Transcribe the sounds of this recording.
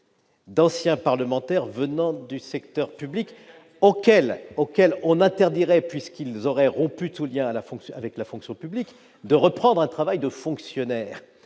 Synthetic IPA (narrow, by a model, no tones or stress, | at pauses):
d̪ɑ̃sjɛ̃paʁləmɑ̃t̪ɛʁvənɑ̃d̪ysɛkt̪œʁpyblik | okɛlokʲɛlɔ̃nɛ̃t̪ɛʁd̪iʁɛpɥiskilzɔʁɛʁɔ̃pyt̪uljɛ̃alafɔ̃ksj̃avɛklafɔ̃ksjɔ̃pyblik | d̪əʁəpχɑ̃d̪ʁɛ̃t̪χavajd̪əfɔ̃ksjɔnɛːʁ